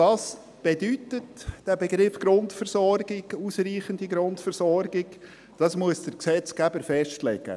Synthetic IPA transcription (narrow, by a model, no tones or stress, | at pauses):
tɑːs | b̥ɛdytətd̥æbɛɡɾɪfɡ̥ɾʊntfəɾsɔɾɡɪɡusriːχəndiɡɾʊntfəɾsɔrɡɪɡ | d̥ɑsmuəsd̥əɾksɛt͡skæbəɾfɛʃtlɛ̰ɡə̰